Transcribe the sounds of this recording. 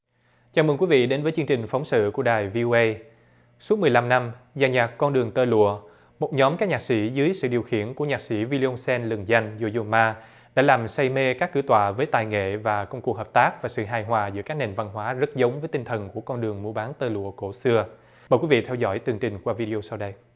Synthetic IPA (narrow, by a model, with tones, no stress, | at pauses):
t͡ɕaː˨˧˩mə˧˩ŋkwi˨˦vḭ˧˨ɗe˨˦nvəː˨˦jt͡ɕɨ˧əŋt͡ɕï˨˩ŋ̟fa˨˦wŋ͡msɨ̰˧˨ku˧˩əɗaː˨˩jvi˧ʔo˧ʔə˧j | su˦˥t̚mɨ˨˩əjla˧mna˧mzaː˧˩ɲaː˨˩kkːɔ˧nɗɨ˨˩əŋt̪əː˧lṵ˧˨ə | mo˨˩t̚ɲɔ˨˦mkaː˦˥k̚ɲaː˨˩k̚si˧˩˥zɨː˨˦jsɨ̰˧˨ɗi˨˩əwxḭ˧˩ənku˧˩əɲaː˨˩k̚si˧˥vi˧li˧ʔo˧nsɛ˧nlɨ˨˩ŋza˧jŋ̟zo˧˩zu˧˩maː˧ | ɗa̰ː˧˥laː˨˩msa˧jme˧kaː˦˥kːɨ̰˧˥ət̪wa̰ː˧˨vəː˨˦jt̪aː˨˩jŋḛ˧˨vaː˨˩kə˧wŋ͡mku˨˩ək̚ɦəː˨˩p̚t̪aː˦˥k̚vaː˨˩sɨ̰˧˨ɦaː˨˩jɦwaː˨˩zɨ̰˧˥ka˦˥k̚ne˨˩nva˧nɦwaː˨˦zə˦˥t̚zə˨˦wŋ͡mvəː˨˦jt̪i˧ŋt̪ʰə˨˩nku˧˩əkɔ˧nɗɨ˨˩əŋmu˧əɓaː˨˦nt̪əː˧lṵ˧˨əko˧˩sɨ˧ə | məː˨˩kwi˨˦vḭ˧˨t̪ʰɛ˧wzɔ̰˧˥˩jt̪ɨ˨˩əŋt͡ɕï˨˩ŋ̟kwaː˧vi˧ɗi˧ʔo˧sa˧wɗə˧j